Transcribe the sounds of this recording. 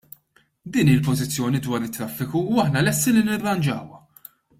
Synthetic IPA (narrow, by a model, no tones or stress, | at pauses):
d̪iːniːɪlpɔzɪt͡sːjɔːnid̪wɐːɾɪt̪ːɾɐfːɪkuuɐħnɐlɛst̪ilinɪrːɐnd͡ʒɐ̰ːwɐ